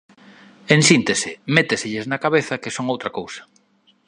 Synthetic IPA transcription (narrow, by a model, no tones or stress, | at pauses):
ensint̪esɪmet̪esɪʎɪznakaβeθɐkɪsoŋowt̪ɾɐkowsɐ̥